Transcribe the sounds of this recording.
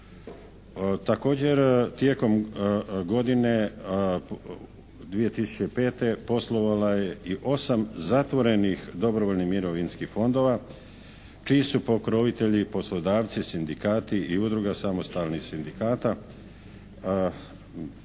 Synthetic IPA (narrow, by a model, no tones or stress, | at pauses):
t̪ako̞ːd͡ʑe̞ɾt̪je̞ko̞mɡo̞d̪ine̞ | d̪ʋije̞t̪isu̥t͡ɕepe̞ːt̪e̞po̞slˠo̞ʋalaje̞iʔo̞samzat̪ʋo̞ɾe̞nixd̪o̞bɾoʋoʎnihmiɾo̞ʋinskixfo̞nd̪o̞ːʋa | t͡ʃiːsupo̞kɾoʋit̪e̞ʎipo̞slˠod̪aːʋt̪sisind̪ikaːt̪iiud̪ɾuɡasamo̞st̪alnixsind̪ikaːt̪a